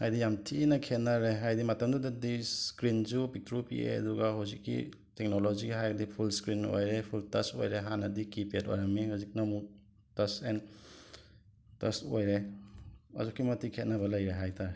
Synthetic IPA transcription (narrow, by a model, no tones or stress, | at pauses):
hajdijamtʰinɐkʰet̚naɾeɦajdimatɐmdudadisskɾinzupik̚tɾupḭḛɐ̰duɡaɦawzikːḭ | tek̚noloziɦajɡɐdipʰulskɾino̰jɾepʰultɐso̰jɾeɦanɐdikipeto̰jɾamːihawzik̚namuk | tɐsen | tɐsojɾe | a̰zukːimɐtikʰet̚naβɐlɐjɾeɦajtʰaɾe